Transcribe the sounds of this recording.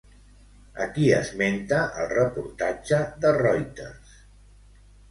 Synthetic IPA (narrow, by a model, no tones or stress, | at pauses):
ə̰kiə̰zment̪əʔəlˠrəpuɾt̪ad͡ʒəðərɔjt̪əs